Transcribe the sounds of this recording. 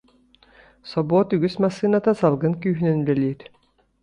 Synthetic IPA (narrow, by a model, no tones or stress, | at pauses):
sɔbɔːt̪yɡysmasɨːnat̪asalˠɡɯnkyːɦynynbɛliːɾ